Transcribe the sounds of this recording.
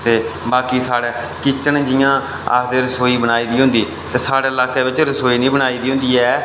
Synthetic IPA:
t̪eːbaːkiːsaːɽɛː | kɪt͡ʃənd͡ʒɪjãː | ə̰sd̪eːɾəsoːiːbənaːiːd̪iːɦʊ̃nd̪iː | t̪eːsaːɽeːəlaːkeːbɪt͡ʃɾəsoːiːnĩːbəɽaːiːd̪iːɦʊ̃nd̪iːɛː

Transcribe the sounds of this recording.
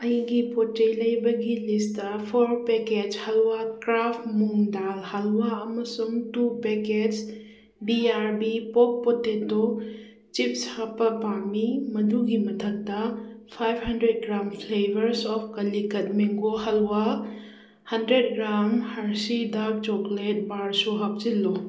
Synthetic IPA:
ɐjɡipotɐjlɐjbɐɡilistɐpʰɔɾpeked͡ʒhɐlwakɾapʰmuŋdalhɐlwaɐmɐsumtupeked͡ʒ | biaɾbipɔk̚poteto | t͡ʃip̚shapɐpamimɐduɡimɐtʰɐk̚dɐpʰajbhɐndɾed̚ɡɾampʰlebɐɾsɔpʰkɐlːikɐt̚miŋɡohɐlwa | hɐndɾed̚ɡɾamhɐɾsidak̚t͡ʃɔklet̚baɾsuɦɐp̚t͡ʃilːu

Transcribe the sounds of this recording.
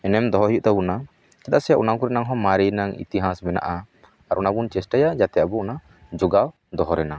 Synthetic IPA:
ɛnɛmd̪ɔɦɔɦijuʔt̪abuna | kat̪aʔsɛjaʔunakuɾɛnaŋɦɔ̃maɾinaŋḭt̪iɦasbɛna̰ʔa | aɾʔunabunt͡ʃɛsʈajad͡ʒat̪ɛjaʔbɔuna | d͡ʒuɡaw | d̪ɔɦɔɾɛna

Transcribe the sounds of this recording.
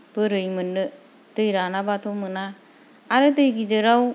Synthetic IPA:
bɯɾɯjmɯnːɯ | tɯjɾanabatʰɔmɯnaː | ɾɯtɯjɡidɯɾaw

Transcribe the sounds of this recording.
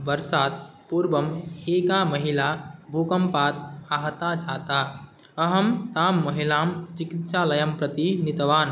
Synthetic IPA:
bəɾsaːt̪̚puɾbəmekaməɦilabʱukəmpaːt̪̚aɦt̪ad͡ʒaːt̪a | əɦəmt̪aːmːɐɦilaːmt͡ʃikit̪salɐjəmpɾət̪init̪ʋaːn

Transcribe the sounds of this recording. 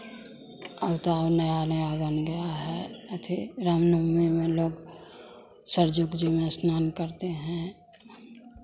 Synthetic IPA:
əbt̪abnəjanəjabənɡɐjaɦɛt̪ʰiɾamnomemẽloːɡ | səɾd͡ʒoɡd͡ʒimẽsnaːnkəɾt̪eɦɛ̃

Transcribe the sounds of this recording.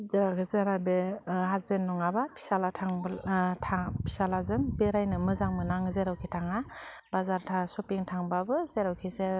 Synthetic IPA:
zeɾakʰizeɾabeɦazbenːɔŋabapʰi̥salatʰaŋtʰapʰi̥salazɯmbeɾajnɯmɯzaŋmɯnaŋzeɾawkʰitʰaŋabazaɾtʰasupiŋtʰaŋbabɯzeɾawkʰize

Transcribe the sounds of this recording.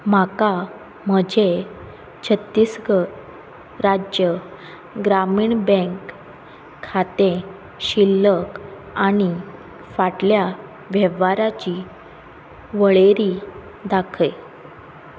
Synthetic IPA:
m̤aka | məd͡ʑʱe | t͡ɕʰət̪ːisɡə | ɾad͡ʑjə | ɡɾamiːɳbɛ̃ŋkʰː | at̪ẽ | ɕilːək | aɽ̃i | faʈlja | ʋjɛʋaɾat͡ɕi | ʋəɭeɾi | d̪akʰəj

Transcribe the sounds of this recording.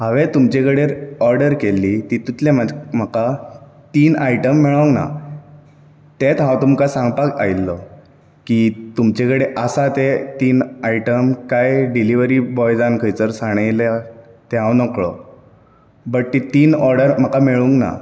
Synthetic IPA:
ɦaʋẽt̪umt͡ɕekəɽeɾɔɾɖəɾkelːit̪it̪ut̪lemam̤əka | t̪iːnajʈəmːeɭə̃ŋɡna̰ | t̪et̪ɦãwt̪umkasãŋɡpakajllːɔ | kiːt̪umt͡ɕekəɽeʔəsat̪et̪iːnaiʈəmkajɖiliʋəɾiːbɔjd͡zankʰəjt͡səɾsaɽ̃elat̪eɦãwnəkɭɔ̰ | bəʈ̚t̪it̪iːnɔɾɖəɾm̤əkameɭuŋkna̰

